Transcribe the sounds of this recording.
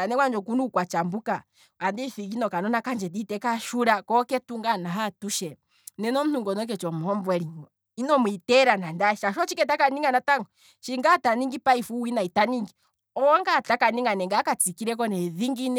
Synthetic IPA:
anɛkwand͡ʒɔkunukwat͡ʃambuka | andifiɡinɔkanɔnakand͡ʒɛditɛkaʃuɾakɔkɛtuŋɡanaɦatuʃɛ | nɛnɔm̩nuŋɡɔnɔk̬ɛt͡ʃɔm̩hɔmbwɛɾiɲɔ | inɔmwitɛɾanandaʃaʃɔt͡ʃikɛtakaniŋɡanataŋɡɔ | ʃiŋɡataniŋɡipaifuwinaitaniŋɡi | ɔɔŋɡatakaniŋɡanɛŋɡakat͡sikiɾɛk̬ɔnɛðiŋɡinɛ

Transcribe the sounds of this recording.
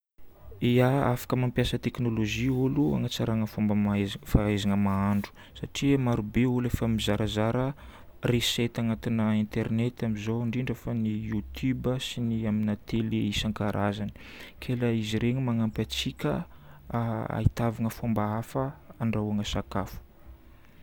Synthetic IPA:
iaafḁkəmampjasət̪eknoloʒiulua̰ŋat͡saɾaŋəfombəmaefaezanəmaaɳɖ͡ʐu̥ | saʈ͡ʂimaɾubeulefəmizaɾazaɾə | reset̪aŋat̪inəint̪ernet̪amizoaɳɖ͡ʐiɳɖ͡ʐefanijut̪ʰubəsiniaminat̪eleisaŋkaɾʔazani̥kʰeləiziɾeŋmaŋampat͡sikʲə̰ | a̰it̪avaŋəfombaafəaɳɖ͡ʐaaŋəsakafu̥

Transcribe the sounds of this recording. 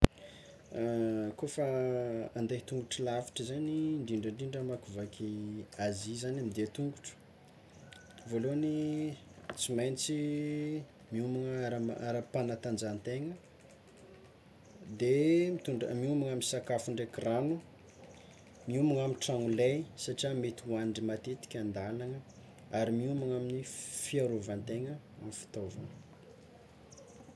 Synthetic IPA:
kofaand̪et̪uŋɡuʈ͡ʂəlafi̥ʈ͡ʂəzaniɳɖ͡ʐiɳɖ͡ʐəɳɖ͡ʐiɳɖ͡ʐəmakuvakiazizanamid̪et̪uŋɡuʈ͡ʂə̥ | voloni | t͡simajnit͡si | miumaŋaɾaaɾapanat̪and͡zant̪eŋə | d̪emit̪uɳɖ͡ʐəmiumaŋaminsakafuɳɖ͡ʐekranu | miumaŋaminʈ͡ʂaŋulejsaʈ͡ʂiamet̪uanɖ͡ʐimat̪et̪i̥kʲand̪alaŋə | aɾimiumaŋaminifiaɾovant̪eŋə | amifi̥t̪ova̰n

